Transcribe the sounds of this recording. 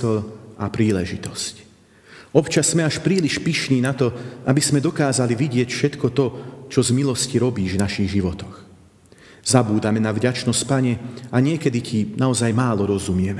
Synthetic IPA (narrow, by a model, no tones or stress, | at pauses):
ɔapɾiːlɛʒit̪ɔsc | ɔpt͡ʃasːmɛaʃpɾiːliʃpiʃniːnat̪ɔʔabismɛd̪ɔkaːzaliʋiɟɪɛcfʃɛt̪kɔt̪ɔt͡ʃɔzmilɔsciɾɔbiːʒvnaʃiɣʒiʋɔt̪ɔ̥x | z̥abuːd̪amɛnavɟat͡ʃnɔsc̚paɲɛaɲɪɛkɛd̪icʰinaɔzajmaːlɔɾɔzumɪɛmɛ